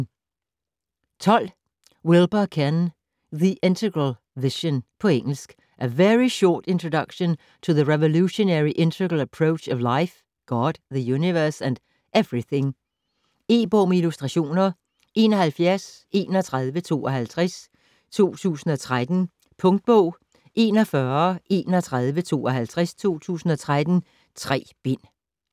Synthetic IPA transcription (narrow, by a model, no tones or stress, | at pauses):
t͡sʰɒ̽l̰ | welˠb̥ɐkʰæn | ðiʔent͡sʰəɡəl | ʋiɕõnpʰɒ̽eŋ̰l̩sɡ̥ | ʔæʋeɹiɕɔ̰ːd̥e̝nt͡sʰʁodʌɡ̥ɕon | t͡sʰoðəʁeʋoluɕo̝næɹiʔẽnt͡sʰəɡəl̩ˠəpʰɹoʊt͡ʃɒʋlaɪf | ɡ̥ɒd̥̚ðəjuniʋɜɐsæ̃nd̥ | ʔev̥ɹiθẽ̝ŋ | e̝̰ːb̥ɔmilusd̥ʁɑɕo̝̰ːnɐ | ʔe̝ːnɒhælfjæɐs | e̝ːnɒt͡sʰʁaðˠʋət͡sʰo̝̰ːɒɦælt͡sʰʁas | t͡sʰo̝̰ːt͡sʰṵːsn̩ɒ̽t͡sʰʁad̥n̩ | pʰɔ̽ŋd̥̚b̥ɔʊ̰ | ʔe̝ːnɒfɶɐʔe̝̰ːnɒt͡sʰʁað̞ˠʋət͡sʰo̝̰ːɒɦælt͡sʰʁɛst͡sʰo̝̰ːt͡sʰṵːsn̩ɒ̽t͡sʰʁad̥n̩ | t͡sʰʁɛ̰ːb̥in̰